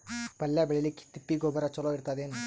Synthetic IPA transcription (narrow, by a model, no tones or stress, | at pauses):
pəlːjabeɭelikʰi̥t̪ːipːiɡobəɾat͡ʃɔlɔiɾt̪ad̪en